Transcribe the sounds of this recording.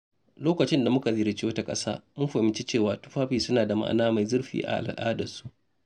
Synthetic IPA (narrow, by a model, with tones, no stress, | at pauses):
loː˦kɐ˨t͡ʃɪ˦nda˨mʊ˦ka˨zɪ˨ɾɪ˨t͡ʃiː˦wɐ˦ta˦kʼɐ̰˦sa̰ː˦mʊ˦nɸa˨ɪ˨nt͡ʃi˦t͡ʃeː˦˨waː˨tʊ̥˦ɸaː˦ɸiː˨sʊ˦naː˨da˨ma̰˦ʔnaː˦ma˨jzʊ˦rɸḭː˦ʔa̰˨ʔa̰˨lʔa̰ː˦dɐ˨su̥˦ʔ